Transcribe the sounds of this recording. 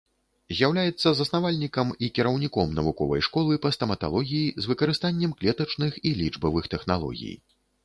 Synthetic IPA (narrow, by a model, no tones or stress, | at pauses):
zʲjawlʲajɛt̪sːɐzɐsnavalʲnʲikɐmikʲiɾɐwnʲikɔmnɐvukɔvɐ̰jʂkɔlˠɨpɐst̪ɐmɐt̪a̰lˠɔɣʲijizvɨkɐɾɨst̪anʲːɛmklʲɛt̪ɐt͡ʂnɨxilʲid͡ʐbɐvɨxt̪ɛxnalˠɔ̰ɣʲḭj